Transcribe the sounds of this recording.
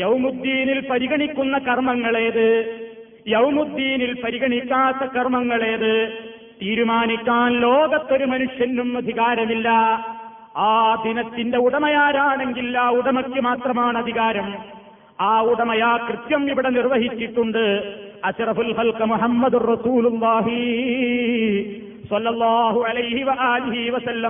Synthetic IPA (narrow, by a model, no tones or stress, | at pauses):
jɐwmud̪ːiːnilpɐɾiɣɐɳikʲːunːɐkɐrmɐŋːɐɭe̞ːðɨ | jɐwmud̪ːiːnilpɐɾiɣɐɳikʲːaːt̪ːɐkɐrmɐŋːɐɭe̞ːðɨ | t̪iːɾumaːnikʲːaːnloːɡɐt̪ːoɾumɐnuʂjɐnːumɐd̪ʱiɣaːɾɐmilːɐ | aːd̪ʱinɐt̪ːinde̞uɽɐmɐjaːɾaːɳe̞ŋɡilːaːuɽɐmɐkːɨmaːt̪rɐmaːɳɨɐd̪ʱiɣaːɾɐm | aːuɽɐmɐjaːkrɨt̪jɐmiʋiɽenirʋɐɦit͡ɕːiʈːuɳɖɨɐɕrɐfulxɐlkɨmuħɐmːɐd̪urːɐsuːlulːaːɦi | sɐlːɐlˠˤːaːɦuɐlɐjhiʋɐʔaːliɦiʋɐsɐlːɐm